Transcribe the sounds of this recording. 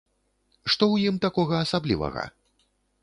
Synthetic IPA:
ʂt̪ɔwjimt̪akɔɣɐːsablʲḭvɐ̰ɣɐ̰

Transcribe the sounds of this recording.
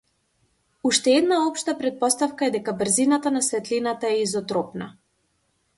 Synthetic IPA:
uʃt̪ɛɛd̪naɔpʃt̪apɾɛt̪̚pɔst̪afkaɛd̪ɛkabr̩zinat̪anasvɛt̪linat̪aɛizɔt̪ɾɔpna̰

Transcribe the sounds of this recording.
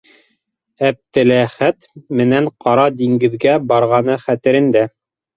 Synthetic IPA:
æp̚t̪ɘ̆læχæt̪mɘ̆næɴqɑɾɑd̪iŋɡɘ̆ðɡæbɑɾʁɑnɤχæt̪ɘ̆ɾɘ̆nd̪æ

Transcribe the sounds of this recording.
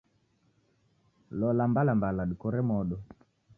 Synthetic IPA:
lɔlambalambalaɗikɔɾɛmɔɗɔ

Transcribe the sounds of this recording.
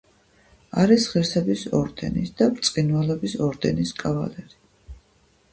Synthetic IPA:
aɾisʁiɾsɛbisɔɾd̪ɛ̰nisd̪̥apɾt̪sʼqʼinwalɔbisɔɾd̪ɛniskʼava̰lɛɾi

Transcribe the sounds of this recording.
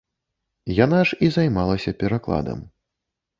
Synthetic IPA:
janaʐizajmalˠɐsʲɐpʲɛɾaklˠa̰d̪ɐ̰m

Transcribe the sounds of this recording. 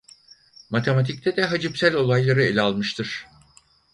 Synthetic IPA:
mat̪ʰe̞mat̪ʰic̚t̪ʰɛd̪ɛɦad͡ʒɯpsælʲo̞lˠajlˠaɾɯe̞lʲɛalˠmɯʃt̪ʰɯɾ̥

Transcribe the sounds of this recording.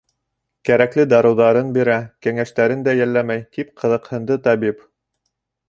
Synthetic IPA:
kæɾæklɘd̪ɑɾɤ̆wðɑɾɤnbiɾækæŋæʃt̪æɾɘnd̪æjælːæmæjt̪ipqʰɤ̆ðɤ̆qhɤ̆nd̪ɤt̪ɑbip

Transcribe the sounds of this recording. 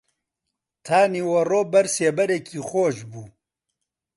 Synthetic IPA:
t̪ʰaːniːwɐroːbɐɾseːbɐɾekʰiːxoːʃbuː

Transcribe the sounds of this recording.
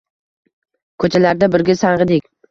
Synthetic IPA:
kʰɵt͡ʃʰalaɾd̪abɪɾɡʲasaɴʁɨd̪ɪkʲ

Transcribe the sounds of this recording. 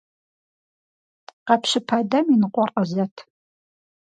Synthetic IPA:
qɑpɕɪpʰaːdɐminɨqʷʼɔrʼəzɐtʰ

